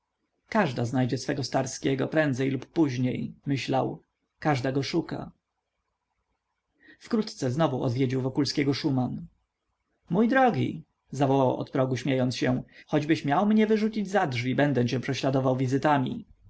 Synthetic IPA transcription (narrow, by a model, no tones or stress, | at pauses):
kaʐd̪aznajd͡ʑɛsfɛɡɔst̪aɾskʲɛɡɔ̰pɾɛnd̪zɛjlupːuʑɲejmɘɕlaw | kaʐd̪aɡɔʂuka̰ | fkɾut̪t̪sɛznɔvuɔ̰d̪vʲjed͡ʑiwvɔkulskʲɛɡɔʂuman | mujd̪ɾɔɡʲḭ | zavɔwawɔ̰t̪pɾɔɡuɕmʲjejɔnt̪sɕɛxɔd͡ʑbɘɕmʲjawmɲɛvɘʐut͡ɕid͡ʑzadʐvʲibɛnd̪ɛt͡ɕɛ̃pʂɛɕlad̪ɔvawvʲizɘt̪amʲḭ